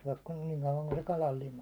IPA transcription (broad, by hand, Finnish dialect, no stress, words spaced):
syæ̹k kun niːŋ kɑuʋɑŋ kun se kɑlɑl limɑ